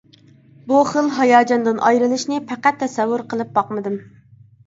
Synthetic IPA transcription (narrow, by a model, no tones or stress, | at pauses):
buχəlˠɦɑjɑːd͡ʒɑnd̪ɨnʔɑ̰jɾɨlˠɨʃnɨpʰæqæt̪ʰːɛsɛwːuɾqʰəlˠɨp̚bɑqmɨd̪ɨm